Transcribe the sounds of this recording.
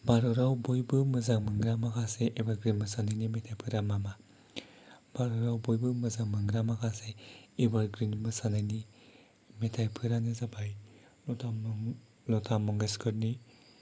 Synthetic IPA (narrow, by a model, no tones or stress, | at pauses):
baɾɯɾawbojbɯmɯzaŋmɯŋɡɾamakʰaseʔebaɾɡɾinmɯsanajnimetʰajpʰɯɾamama | baɾɯɾawbojbɯmɯzaŋmɯŋɡɾamakʰaseebaɾɡɾinmɯsanajni | metʰajpʰɯɾanɯzabaj | ltʰa | lɔtʰamɔŋɡeskʰɯɾni